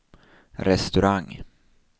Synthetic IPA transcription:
ɾɛst̪ɵɾaŋː

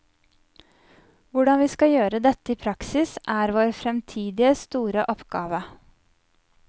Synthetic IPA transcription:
ʋʊɖɑnʋiːskɑjøːɾəd̪ɛt̪əiːpʰɾɑksɪsæːɾʋoːɾfɾɛmt̪ʰiːd̪ɪəst̪uːɾəʔɔpɡ̥ɑːʋə

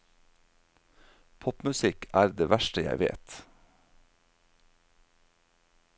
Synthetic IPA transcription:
pʰɔpmʉsɪkʰæːɾd̪eːʋæʃʈəjæ̰ɪʋḛːt̪

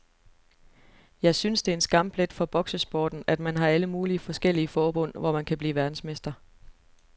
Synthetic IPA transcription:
jɑ̈ɪsynsd̥e̝ensɡ̥ɑ̈m̰b̥le̝d̥fɒ̽b̥ɒ̽ɡ̥səsb̥ɒːd̥n̩ʔæd̥mænɦɑ̈æləmuːliəfɒ̽sɡ̥el̰iəfɒːb̥ɔ̽n̰ʋɒmænkʰæb̥lḭːʋæɐd̥n̩sme̝sd̥ɐ

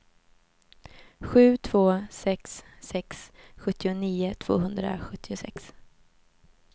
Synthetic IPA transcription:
ɧʉ̟ːt̪ʰv̥oːsɛksːɛksɧɵt̪ːɪʊniːʊt̪ʰv̥o̰ːɦɵnd̪ɾa̰ɧɵt̪ʰːɪʊsɛ̰ks

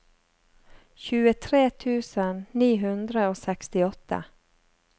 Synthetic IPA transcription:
çʉːət̪ʰɾeːt̪ʰʉːsənniːɦʉnd̪ɾəoːsɛkst̪ɪɔt̪ə̰

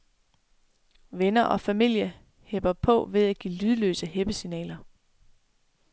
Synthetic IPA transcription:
ʋenɐʔɒ̽fæmil̰jɐ | heb̥ɐpʰɔ̽ʋe̝ð̞ˠæɡ̥iːlyð̞ˠəlø̰ːsəɦeb̥əsinɛ̰ːlɐ

